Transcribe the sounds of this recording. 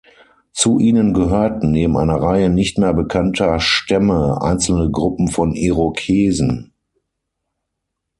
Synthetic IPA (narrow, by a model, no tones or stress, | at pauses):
t͡suʔiːnənɡəɦøːɐtn̩neːbm̩ʔa̰ɪnɐʁaɪənɪçtmeːɐbəkʰantʰɐʃtɛməʔa̰ɪnt͡sl̩nəɡʁʊpm̩fɔneʁokʰeːzn̩